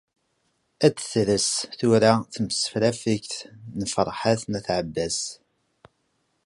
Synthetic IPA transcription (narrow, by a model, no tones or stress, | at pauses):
æt͡sːθɾəsθuɾaθəməsə̥flæfəçθnəfɾˤħaθnæθʕəbːæs